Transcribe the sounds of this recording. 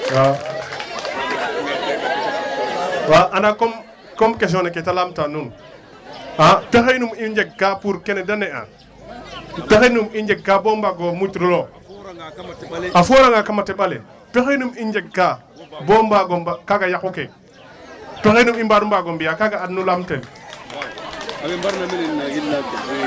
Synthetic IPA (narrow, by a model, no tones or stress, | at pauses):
wa | waʔanakom | komkes̬oneketalamtanun | apexenumind͡ʒekkapuɾkenedanea̰ | pexenumind͡ʒekkːabombaɡomutɾulo | afoɾaŋakamateɓalḛ | pexinumind͡ʒekːa | bombaɡombakaɡajakuke | pexenumimbanumbaɡombijakaɡaːdnulamtel